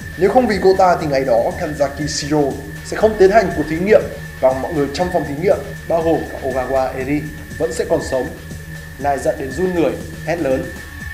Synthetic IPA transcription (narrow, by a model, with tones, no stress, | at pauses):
ne˨˦wxə˧wŋ͡mvḭ˧˨ko̰˧˨t̪aː˧t̪ʰi˨˩ŋa˨˩jɗɔ˨˦kaː˧nzaː˧ki˧si˧o˧ | sɛ̰˧˥xə˧wŋ͡mt̪i˨˦ənha˨˩jŋ̟ku˨˩ət̪ʰi˨˦ŋḭ˧˨əm | vaː˨˩ŋmɔ̰˧˨jŋɨ˨˩əjt͡ɕɔ˧wŋ͡mfa˨˩wŋ͡mt̪ʰi˨˦ŋḭ˧˨əm | ɓaː˧wɣo˨˩mkaː˦˧˥k̚ʔo˧ɣaː˧ɣwaː˧ʔe˧ɾi˧ | və̰˧˥nsɛ̰˧˥kɔ˨˩nsə˨˦wŋ͡m | naː˨˩jzə̰˧˨nɗe˨˦nzu˧nŋɨ˨˩əj | hɛ˦˥t̚ləː˨˦n